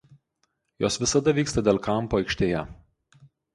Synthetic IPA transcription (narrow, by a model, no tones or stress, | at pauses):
joːsʋʲɪsɐd̪ɐʋʲiːkst̪ɐd̪ʲeːlˠkɐˑmˑpoɔɐɪkʃʲt̪ʲeːjɛ